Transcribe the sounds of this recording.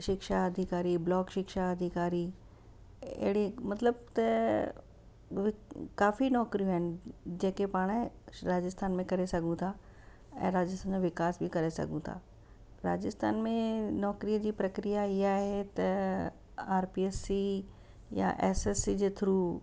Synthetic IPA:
ʃɪkʃaɐd̪ʱikaːɾiblɔːkʃɪkʃaɐd̪ʱikaːɾiː | ḛɽimɐt̪ləb̚t̪ɐ | ʋɪkaːfinɔːkɾijũɦaɪnd͡ʑẽːkepaːɽ̃e | ɾaːd͡ʑəst̪ʰaːnmẽkɐɾesɐɡʱũt̪ʰa | ɛ̰̃ːɾaːd͡ʑəst̪ʰanʋɪkaːsbʱikɐɾesɐ̰ɡũt̪ʰa̰ː | ɾa̰ːd͡ʑəst̪ʰa̰ːnmẽnɔːkɾijəd͡ʑiːpɾɐkɾijaiaːɦet̪ɐ | aːɾpiesːi | ja̰ʔḛsesid͡ʑet̪ʰɾu

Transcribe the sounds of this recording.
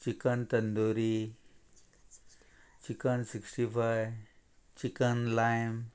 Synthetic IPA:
t͡ɕikənt̪ənd̪oɾi | t͡ɕikənsiksʈifajt͡ɕikənlajm

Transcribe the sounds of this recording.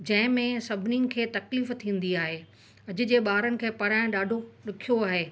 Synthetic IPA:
d͡ʑɐ̃ɦɪ̃mẽsɐbʱɪninɪ̆kʰeːt̪ɐkliːft̪ʰĩːn̆d̪iaːɦeː | ɐd͡ʑʊ̆d͡ʑeːɓaːɾənɪ̆kʰeːpɐɾaːɪ̃ɗaːɖʱoɗɪkʰijoaːɦeː

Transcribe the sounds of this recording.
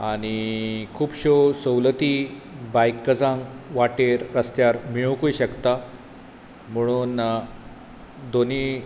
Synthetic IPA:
aɽ̃ikʰuːbɕosəwlət̪ibajkːəd͡zãŋɡʋaʈeɾɾəst̪jaɾmiɭwkujɕəkt̪a | m̤əɽ̃un | d̪oni

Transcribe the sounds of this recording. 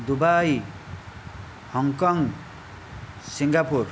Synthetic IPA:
d̪ubaj | hʌŋkʌŋ | siŋɡapur

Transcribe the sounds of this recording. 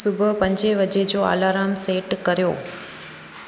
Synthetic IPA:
sʊbʱʊpɐ̃ɲd͡ʑeʋɐd͡ʑed͡ʑoːa̰ːlaːɾaːmseːʈkɐɾijo̰ː

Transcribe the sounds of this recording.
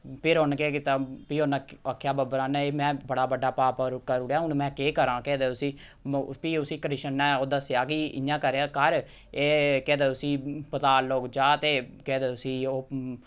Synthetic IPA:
pʰɪɾɦʊnkeːkɪt̪aːpiːɦonaːəkʰːjaːbəbɾaːnɛːeːmɛ̃ːbəɽaːbəɖaːpaːpəɾkəɾuɾjaːʊnmɛ̃ːkeːkəɾãːkɛːd̪eːʊsiː | piːʊsĩːkəɾɪʃənːɛːoːd̪asjaːkiɪjãːkəɾeaːkəɾ | eːkɛːd̪eːʊsĩːpət̪aːloːkd͡ʒaːt̪eːkɛːd̪eːʊsiːoː

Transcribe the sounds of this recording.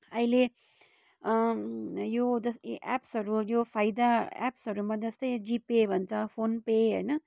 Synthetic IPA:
ʌɦile | jod͡zʌsʔa̰psɦʌɾujopʰajd̪aa̰psɦʌɾumad͡zʌst̪ʌjd͡zipebʱʌnt͡sʰʌpʰonpeɦʌjnʌ

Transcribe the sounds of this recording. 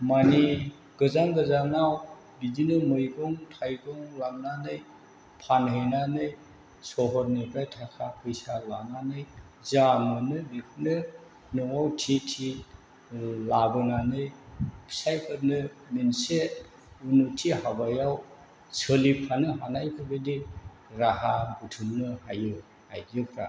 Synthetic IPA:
mani | ɡ̥ɯzaŋɡɯzanaw | bidinɯmɯjɡɔŋtʰajɡɔŋlamnanɯj | pʰanhenanɯj | sɔɦɔɾnibʰajtʰakʰapʰɯjsalananɯj | zamɯnɯbikʰnɯ | nɔŋawtʰitʰi | labɯnanɯjbsajpʰɯɾnɯ | minse | unutʰihabajaw | səlipʰanɯɦanajkʰɯbedi | ɾahabutʰumnɯhajɯ | hajjɯkʰɾa̰

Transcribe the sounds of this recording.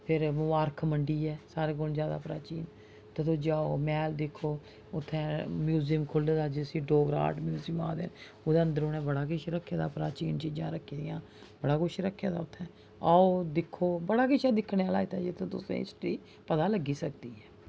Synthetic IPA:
pʰɪɾmʊʋaːɾkʰməɳɖiːɛːsaːɾeːkond͡ʒjaːd̪a̰ːpɾaːt͡ʃiːn | t̪et̪od͡ʒaːoːmɛːld̪ɪkʰːoː | ʊt̪ʰːɛ̃ːmjuːzimkʰʊleːd̪aːd͡ʒeəsĩːɖoːɡəɾa̰ːʈmjuːziːma̰ːd̪ḛːn | ʊd̪ẽːənd̪əɾoːnɛ̃ːbəɽaːkɪʃɾəkʰːjaːd̪a̰ːpɾa̰ːt͡ʃiːnt͡ʃiːd͡ʒãːɾəkʰːiːd̪ɪjãː | bəɽaːkʊʃɾəkʰːjaːd̪a̰ːʊt̪ʰːɛ̃ː | aːoːd̪ɪkʰːoːbəɽaːkɪʃɛ̃ːd̪ɪkʰːɽeːaːlaːɪt̪ɛːd͡ʒɪt̪ʰẽːt̪ʊ̰sḛ̃ːɪ̰sʈɾiː | pət̪aːləɡːiːsək̚d̪iːɛː

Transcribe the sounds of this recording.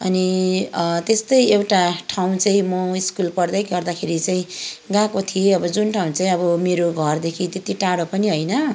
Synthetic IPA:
ʌ̰ni | t̪est̪ʌjewʈaʈʰaw̃t͡saĩmʌiskulpʌrd̪ʌjɡʌrd̪akʰeɾit͡saĩɡãkot̪ʰijeʌbʌd͡zunʈʰaw̃t͡saĩʌbʌmeɾoɡʱʌrd̪ekʰit̪et̪iʈaɽopʌniɦʌjnʌ

